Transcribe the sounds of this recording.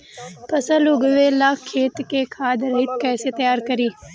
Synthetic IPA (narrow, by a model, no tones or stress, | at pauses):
pəsəlʊɡʋeːlaːkʰːeːt̪keːkʰaːd̪ɾəɦɪt̪kɛːset̪əjaːɾkəɾiː